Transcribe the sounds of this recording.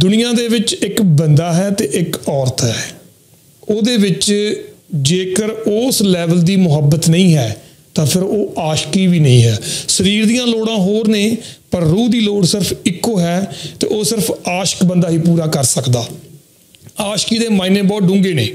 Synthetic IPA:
d̪ʊnɪjãːd̪eːʋɪt͡ʃɪkbənd̪aːɦɛːt̪eːʔɪkɔːɾt̪ɦɛː | oːd̪eːʋɪt͡ʃ | d͡ʒeːkəɾoːslɛːʋəld̪iːmʊɦəbət̪nəĩːɦɛː | t̪ãːpʰɪɾoːʔaːʃkiːʋiːnəĩːɦɛːsəɾiːɾd̪ijãːloːɽãːɦoːɾneːpəɾːuːd̪iːloːɽsɪɾpʰɪkːoːɦɛːt̪ḛːʔoːsɪɾpʰaːʃə̥kbənd̪aːɦiːpuːɾaːkəɾsəkd̪aː | aːʃkiːd̪eːmaːinẽːbɔːt̪ɖʊ̃ŋɡeːnḛː

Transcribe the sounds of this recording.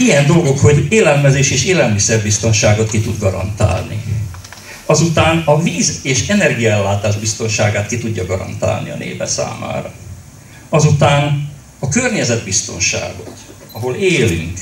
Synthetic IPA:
ijɛnd̪o̞lɡo̞kho̞ɟeːlɛlmɛzeːʃeːʃeːlɛlmisɛrbist̪o̞nʃaːɡo̞t̪kit̪ud̪ɡɒɾɒ̰nt̪a̰ːlnḭ | ɒzut̪aːnɒviːzeːʃɛnɛrɡijɒɛlːaːt̪aːʒbist̪o̞nʃaːɡaːt̪kit̪uɟːɒɡɒɾɒ̰nt̪a̰ːlnḭɒ̰nʔḛːpɛ̰sa̰ːma̰ːɾɒ | ɒzut̪aːn | ɒkørɲɛzɛd̪bist̪o̞̰nʃa̰ːɡo̞t̪ | ɒɦo̞leːly̰ŋk

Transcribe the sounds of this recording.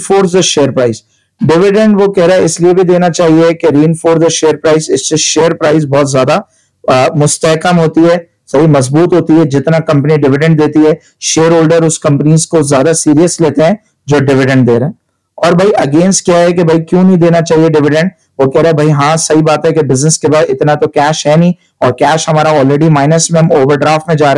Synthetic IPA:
foːɾsəʃeːəɾpɾaːɪz | ɖɪʋɪɖə̃ɳɖʋokɛɦɾaːɛɪsliebʱid̪eːnat͡ʃaːɦiekeɾiːnfoːɾzəʃeːəɾpɾaːɪzɪsseʃeːəɾpɾaːɪz̬bɔːt̪zjaːd̪a | mʊst̪ɛɦkəmɦoːt̪iɦɛː | sɐɦimɐzbuːt̪ɦoːt̪iɦɛd͡ʒɪt̪nakɐ̃mpniɖɪʋɪɖɛ̃ɳɖd̪eːt̪iɦɛː | ʃeːəɾɦoːlɖəɾʊskɐ̃mpəniːzkozjaːd̪asiːɾijəsleːt̪eɦɛ̃ | d͡ʒoːɖɪʋɪɖə̃ɳɖd̪eːɾɐɦɛ̃ː | ɔːɾbʱɐiʔɐɡeːnsʈ̚kjaɦɛk̬ebʱɐikjũːnɐɦĩd̪eːnat͡ʃaːɦieɖɪʋɪɖə̃ɳɖ | ʋokɛɦɾeɛ̃bʱɐiɦãsɐɦibaːt̪ɦɛkebɪznəskebaːd̪ɪt̪nat̪okɛːʃɦɛnĩ | ɔːɾkɛːʃɦɐmaːɾaɔːlɾeːɖimaːɪnəsmẽmoːʋəɾɖɾaːfʈmẽd͡ʒaːɾe

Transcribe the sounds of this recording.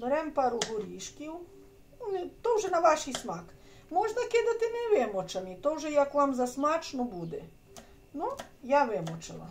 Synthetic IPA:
bɾɛmpaɾuɦʊɾiʃkiw | nt̪owʒɛnaʋaʃismak | moʒd̪aked̪at̪ɪmɛʋemɔt͡ʃamit̪owʒɛjakʋamzasmat͡ʃnɔbud̪ɛ̰ | nɔjaʋɛmɔt͡ʃala̰

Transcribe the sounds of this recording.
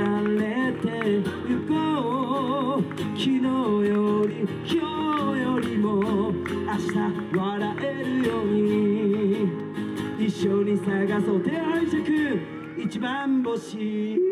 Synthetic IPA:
alet̪ejɯɡo | kʲʰinojoɾʲikʲiojoɾʲimoaɕi̥t̪a | βaɾaʔeɾɯ̟joɲ̟i | iɕːoɲ̟isaɡasot̪eɦãĩsekɯ | it͡ɕibamboɕi

